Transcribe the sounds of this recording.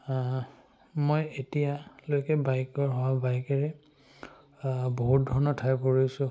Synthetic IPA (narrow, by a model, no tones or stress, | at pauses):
mojetijalojkɛbajkɔɹɦɔwabajkaɹɛ | boɦut̚dʱɔɹnɔtʰajpoɹijsʊ̃